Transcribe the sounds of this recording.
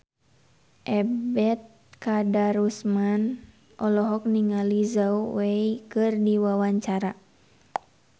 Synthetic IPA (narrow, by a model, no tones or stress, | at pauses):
ʔɛbɛt̪̚kadaɾusman | ʔɔlɔɦɔk̚niŋalizauwɛikɨrdiwawaɲt͡ʃaɾa